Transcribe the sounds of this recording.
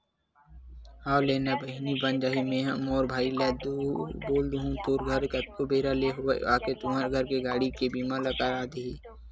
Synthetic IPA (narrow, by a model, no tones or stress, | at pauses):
aːwleːnabəɦnibɐnd͡ʒaːɦimẽːɦɐmɔːɾbʱaːilɛːd̪uːɾboːld̪uɦũt̪oːɾɡʱɐɾkɐt̪̚kobeːɾaleːɦoḛaːket̪ʊmaːɾɡʱəɾkeɡaːɽikebiːmalɐkaɾaːd̪eiː